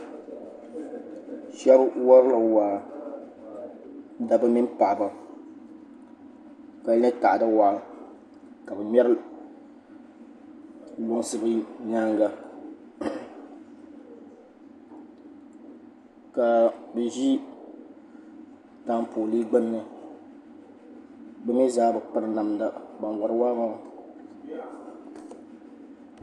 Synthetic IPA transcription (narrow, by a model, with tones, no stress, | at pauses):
ʃɛ˦bwɔ˦ɾɨ˦la˨waː˨ | da˨bɨ˦mi˦n˦pa˨ʔba˨ | ka˨˦nɛ˦ta˨ʔda˦waː˨ | ka˨bɨ˨mɛ˦ɾɨ˦ | lo˦ŋsɨ˦bɨ˦ɲa˦ŋɡa˨ | ka˨bɛ˨ʒi˦ | ta˦mpoː˨li˦ɡ͡bɨ˦nːɨ˦ | bɛ˦mi˦zaː˦bɨ˨k͡pɨ˦ɾɨ˦na˨mda˨ba˨ŋ˨wɔ˨ɾɨ˨waː˦ma˦˨